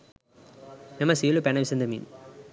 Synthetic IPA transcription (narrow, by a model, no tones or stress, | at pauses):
memɐsilupɛnɐʋisɐnd̪ɐmḭn